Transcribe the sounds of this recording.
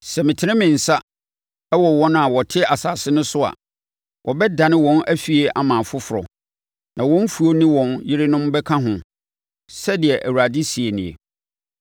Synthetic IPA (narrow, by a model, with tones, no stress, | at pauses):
sɛ˨mɪ̃˨tʰɪ˨nɪ̃˦mɪ̃˨n̩˨sa˦ | ɛ˦wɔ˨wɔ˦ñ˦a˨wɔ˨tʰɪ˦a˨saː˨sɪ˦nʊ̃˦sʊ˦a̰˨ | wʔɔ˨bɛ˦dã˨nɪ̃˦wɔ̃˦nʔæ˦fi˨e˦ʔa̰˨mãː˨fʊ˦fʊ˨ɾɔ̰˨ | nã˨wɔ̃˦n˦fu˨o˦nĩ˦wɔ̃˨njɪ˦ɾɪ˦nʊ̃˦mbɛ˦kʰã˦ɦʊ̃˨ | sɛ˦dɪ˨ɛ˨ʔæ˨wu˨ɾa˨dɪ˦si˨e˨nɪ̃˨ḛ˨